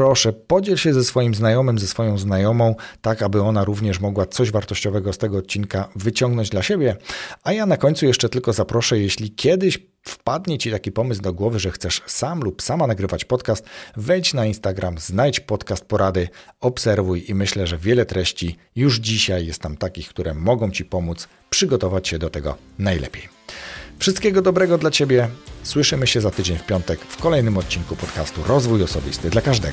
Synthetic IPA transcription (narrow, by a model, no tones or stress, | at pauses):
pɾɔʂɛpɔd͡ʑɛlɕɛzɛsfɔjimznajɔmɘmzɛsfɔjɔ̃w̃znajɔmɔ̃w̃t̪akabɘɔnaɾuvɲɛʂmɔɡwat̪sɔʑvaɾt̪ɔɕt͡ɕɔvɛɡɔst̪ɛɡɔːt̪̚t͡ɕinkavɘt͡ɕɔ̃ŋɡnɔɲd͡ʑd̪laɕebʲjɛajanakɔɲʲt̪sujɛʂt͡ʂɛt̪ɘlkɔzapɾɔʂɛjɛɕlʲikʲjɛd̪ɘɕ | fpad̪ɲɛt͡ɕit̪akʲipɔmɘzd̪ɔɡwɔvɘʐɛxt̪sɛʂsamlupsamanaɡɾɘvat͡ɕpɔt̪kast̪vɛjt͡ɕnainst̪aɡɾʔamznajt͡ɕpɔt̪kast̪̚pɔɾad̪ɘɔpsɛɾvujimɘɕlɛʐɛvʲjɛlɛt̪ɾɛɕt͡ɕi | juʐd͡ʑiɕajːɛst̪namt̪akʲixkt̪uɾɛmɔɡɔ̃w̃t͡ɕipɔmut̪s | pʂɘɡɔt̪ɔvat͡ɕɕɛd̪ɔt̪ɛɡɔ̰ | najlɛ̰pʲjej | fʂɘst̪kʲɛɡɔd̪ɔbɾɛɡɔd̪lat͡ɕebʲjɛswɘʂɘmɘɕɛzat̪ɘd͡ʑeɲfpʲjɔnt̪ɛkfkɔlɛjnɘmɔt̪̚t͡ɕiŋkupɔt̪kast̪ṵɾɔzvujɔsɔbʲḭst̪ɘd̪lakaʐd̪ɛ̰ɡ